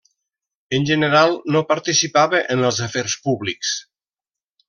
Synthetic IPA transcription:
ənʲʒənəɾalˠnopəɾt̪isipaβəʔənəlˠzəfɛrspuβliks

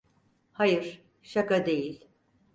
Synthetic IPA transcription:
hajɯɾ̥ | ʃakad̪e̞jilʲ

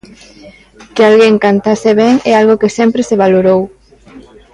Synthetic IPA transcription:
kealɣeŋkant̪aseβɛŋɛalɣokɪsɛmpɾeseβaloɾow

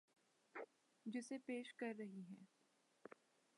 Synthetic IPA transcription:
d͡ʒɪsepeːʃkɐɾːɐɦiɦɛ̃ː

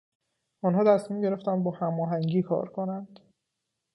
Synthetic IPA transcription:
ɔnɦɒːt̪ʰæsmiːmɟe̞ɾe̞ft̪ænd̪̚bɒːhæmɒːɦæŋɟiːkʰɒ̰ːɾkʰonænd̪̥

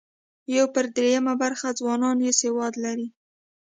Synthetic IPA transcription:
jawpəɾd̪ɾejamabaɾxad͡zwɑnɑnjesewɑd̪laɾi

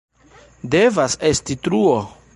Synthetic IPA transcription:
devasestitɾuo

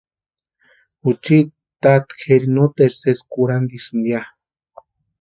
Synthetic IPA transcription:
ut͡ʃi | t̪at̪xeɾinot̪eɾseskuɾand̪isnd̪ja

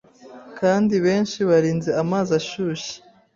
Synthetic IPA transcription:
kaːndiβe̞ːnʃiβaɾiːnzeamaːzaʃuːʃi̥

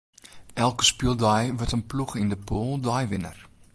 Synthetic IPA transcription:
ʔɛlˠkə̥spilˠdɔjʋɔrtənpluxindəpolˠdɔjʋɪnə̰r

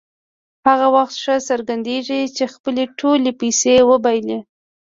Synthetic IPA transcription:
haɣawaxt̪ʂəsəɾɡand̪eʐit͡ʃexpəleʈʰolepajsewəbajle

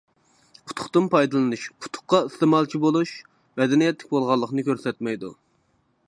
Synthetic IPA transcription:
pʰʊ̥t̪ʰʊ̥χt̪ɨmpʰɑjd̪ɨlˠɨnuʃpʰʊ̥t̪ʰʊ̥χqːɑist̪emɑlˠt͡ʃʰibolˠuʃ | mɛd̪ɛnijɛt̪lɪkʲbolˠʁɑlˠːəqnɨkʲøɾsɛt̪mɛjd̪ṵ

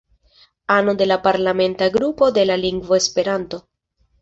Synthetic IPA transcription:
anode̞lapaɾlame̞ntaɡɾupo̞de̞laliŋɡvo̞espe̞ɾanto̞

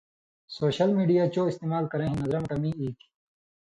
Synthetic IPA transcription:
soːɕɐlmiːɖijaːt͡ɕoːist̪eːmaːlkɐɾẽːɦĩnɐzɾɐmkɐmĩːiːki̥

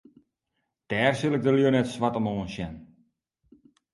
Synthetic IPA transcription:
tɛːrsilˠɪk̚dəljonɛtsʋatɔmoːənsjɛn

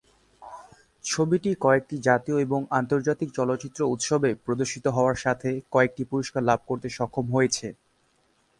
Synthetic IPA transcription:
t͡ɕʰobiʈikɔek̚ʈid͡ʑat̪ioeboŋant̪oɾd͡ʑat̪ik̚t͡ɕɔlot̪ːt͡ɕit̪ːɾout̪ʃobepɾod̪oɾʃit̪oɦɔoaɾʃat̪ʰekɔek̚ʈipuɾiʃkaɾlab̚ʱkoɾt̪eʃɔkʰːomɦojet͡ɕʰe

